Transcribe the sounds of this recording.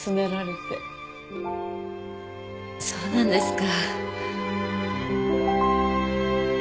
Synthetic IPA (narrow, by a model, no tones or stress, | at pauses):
sɨme̞ɾaɾe̞t̪e | soːnãnd̪e̞sɨ̥ka